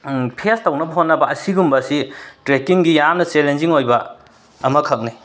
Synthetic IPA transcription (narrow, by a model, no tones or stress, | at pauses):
pʰestɐwnɐbɐɦotnːɐbɐʔɐsiɡumbɐsitɾekiŋɡijamnɐt͡ʃelenziŋojbɐ | ɐmɐkʰɐk̚ni